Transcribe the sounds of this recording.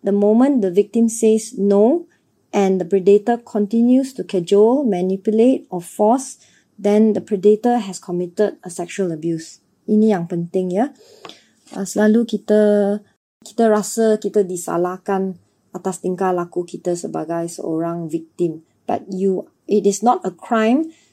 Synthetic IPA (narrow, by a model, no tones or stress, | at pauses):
dəmomə̃ndəvik̚tĩmsesno | ʔɛ̃ndəpɹɛdetəkʰɔ̃ntĩnjustukʰɛd͡ʒulmãnipjulet̚ɔfɔs | dɛ̃ndəpɹɛdetəɦɛskʰɔmitəd̚əsɛk̚ʃuələbjus | inijãŋpə̃ntɪ̃ŋjə | a̰səlalukitə | ki̥təɹasəkitədisa̰lakãn | ʔatast̪ĩŋkalakukitəsəba̰ɡajsʔo̰ɹãŋvik̚tĩm | b̥a̰t̚ju | itɪsnɔtəkʰɹãɪ̃m